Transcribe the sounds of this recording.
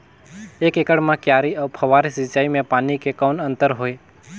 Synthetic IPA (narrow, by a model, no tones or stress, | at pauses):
ekekəɽmãkjaːɾiəʋpʰəʋaɾisit͡ʃaːimẽpaːnikekəːnə̃nt̪əɾɦoːe